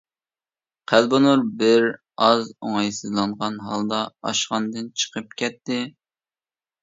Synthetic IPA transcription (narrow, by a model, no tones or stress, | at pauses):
qʰælbonuɾbɪɾ | ɑzoŋɑjsɨzlˠɑɴʁɑnɦɑlˠd̪ɑɑ̰ʃχɑnd̪ɨnt͡ʃʰə̥qʰəp̚kʲʰɛt̪ːɪ